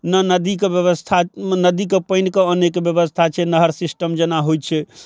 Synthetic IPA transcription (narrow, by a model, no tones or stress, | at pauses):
nənəd̪ikebjəβəst̪ʰanəd̪ikepənkeənekbjəbəst̪ʰat͡ʃʰɛnəɦəɾsisʈəmd͡ʒənaɦoj̪̚t͡ʃʰɛ